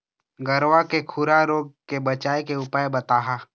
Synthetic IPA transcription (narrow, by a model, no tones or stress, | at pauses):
ɡɐɾwakekʰʊɾaɾoːɡ̚kebɐt͡ʃaːekeʊpaːebɐt̪aːɦa